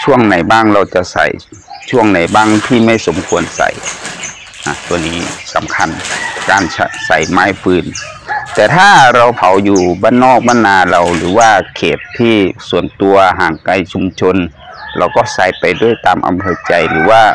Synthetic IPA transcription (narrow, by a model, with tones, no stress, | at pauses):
t͡ɕʰu˧˥˩əŋna˨˩jbaː˧˥˩ŋɾa˧wt͡ɕa˧˩sa̰˨˩j | t͡ɕʰu˧˥˩əŋna˨˩jbaː˧˥˩ŋt̪ʰiː˧˩ma˥˨jso˨˦mkʰu˧ənsa̰˨˧˩j | na˧˩t̪u˧əniː˧˥sa̰˨˧˦mkʰa˧˥˨nkaː˧˩nsʰsa̰˨˩jmaː˧˥˨jpʰɯː˧n | t̪ɛː˧t̪ʰaː˧˥˩ɾa˧wpʰa˨˦wjuː˧˩baː˧˥˨nːɔː˧˥˩k̚baː˧˥˨nːaː˨˧la˧wlɯː˨˦waː˧˩kʰeː˨˩t̪ʰːiː˧˥˩su˨˦ənt̪u˧ɐɦaː˨˩ŋka˧jt͡ɕʰu˧mt͡ɕʰo˧n | lʔa̰˧wkɔː˧˩sa˨˩˦jpa˨jdu˧˥˩ə˨jt̪aː˨mʔa̰˧˨mpʰɤː˧t͡ɕa˧jlɯː˨˦waː˧˥˩